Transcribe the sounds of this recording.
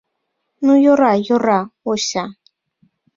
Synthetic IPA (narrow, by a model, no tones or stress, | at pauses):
nʊjoɾajoɾaoɕa